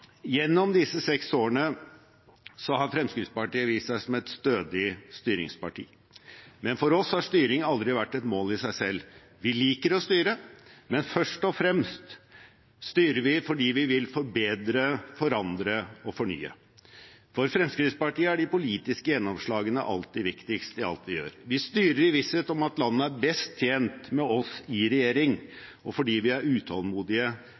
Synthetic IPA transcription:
jɛnːɔmd̪ɪsːəsɛksoːəɳə | sɔhɑɾfɾɛmskɾɪt̪spɑʈiːəʋiːssæɪsɔmɛt̪st̪øːd̪ɪst̪yːɾɪ̰ŋspɑ̰ʈʰḭː | mɛnfɔɾɔshɑʂt̪yːɾɪŋɑld̪ɾɪʋæʈːɛt̪moːlɪsæɪsɛlː | ʋɪliːkəɾɔst̪yːɾəmɛnfœʂʈɔfɾɛmst̪ | st̪yːɾəʋɪfɔɖiːʋɪʋɪlfɔɾbeːd̪ɾəfɔɾɑnd̪ɾəɔfɔɳy̰ːə̰ | fɔɾfɾɛmskɾɪt̪spɑʈiːəæɖɪpʊliːt̪ɪskəjɛnːɔmʂɭɑːɡənə̰ʔɑ̰lt̪ːɪʋɪkt̪ɪkst̪əɪɑ̰lt̪ʋɪjø̰ːɾʋɪst̪yːɾəɾɪʋɪseːt̪ɔmɑt̪lɑnːəæɾbɛst̪ʰːjeːnt̪mɛɔsɪɾɛjeːɾɪŋ | ɔfɔɖiːʋɪæɾʉːt̪ʰɑlmuːd̪ɪə

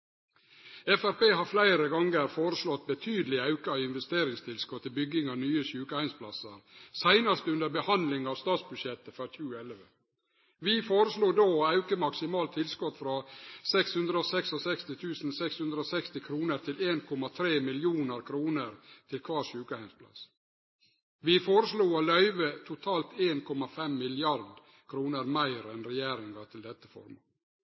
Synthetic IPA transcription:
ɛfæɾpeːɦɑɾflæɪɾəɡɑŋɡəɾfoːɾəslɔt̪̚bət̪ʰyːd̪əlɪɑʉkɑɪɪnʋɛst̪eːɾɪŋst̪ʰɪlskɔt̪ʰːɪlbʏɡɪŋɑʋnyːəɕʉːkəæɪnspʰlɑsəɾsæɪnɑst̪əʉnd̪əɾbəhɑnd̪lɪŋɑːʋst̪ɑːt̪sbʉdʃɛt̪ːəfɾɑçʉːəɛlʋə | ʋɪfoːɾəsluːd̪oːɑʉkəmɑksɪmɑːlt̪ʰːɪlskɔt̪fɾɑsɛkshʉnd̪ɾəɔsɛksɔsɛkst̪ɪt̪ʰʉːsn̩sɛkshʉnd̪ɾəɔsɛkst̪ɪkʰɾuːnəɾt̪ʰɪleːnkʰɔmɑt̪ʰɾeːmɪljuːnəɾkʰɾuːnəɾt̪ʰɪlkʰʋɑːɾʂʉːkəhæɪnspʰlɑ̰s | ʋɪfoːɾəsluːolœʏʋət̪ʰʊt̪ʰɑːlt̪eːnkʰɔmɑfɛmːɪlɪɑɾd̪ | kʰɾuːnəɾmæɪɾɛnɾɛjæːɾɪŋɑt̪ʰɪld̪ɛt̪ːəfɔ̰ɾmɑ̰

